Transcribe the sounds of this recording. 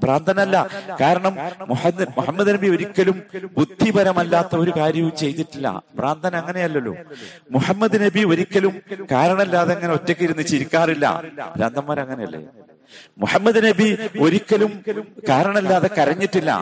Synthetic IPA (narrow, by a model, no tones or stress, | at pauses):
praːnd̪ʱɐnɐlːɐkaːɾɐɳɐmmuħɐmuħɐmːɐðnɐbio̞ɾikʲːɐlumbud̪ʱːibʱɐɾɐmɐlːaːt̪ːɐo̞ɾukaːɾjɐʋumt͡ɕe̞jt̪iʈːilːɐ̰praːnd̪ʱɐnɐŋːɐne̞jɐlːɐlːo̰ːmuħɐmːɐðɨnɐbio̞ɾikʲːɐlumkaːɾɐɳɐmɐlːaːðeeŋːɐneo̞tːekːiɾunːɨt͡ɕiɾikʲːaːrilːɐ̰pɾa̰ːnd̪ʱɐmːaːɾɐŋːɐne̞jɐ̰lːḛ | muħɐmːɐðɨnɐbio̞ɾikʲːɐlumkaːɾɐɳɐmilːaːðekɐɾɐɲːiʈːilːɐ̰